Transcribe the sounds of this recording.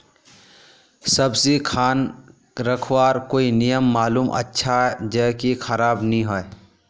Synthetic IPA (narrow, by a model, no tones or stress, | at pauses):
sɐbsikʰaːn | ɾəkʰwaːɾkoːinijəmːaːluːmʔɐ̰tːʃʰaɦɛd͡ʒəɦkixəɾaːbnəɦĩɦɔe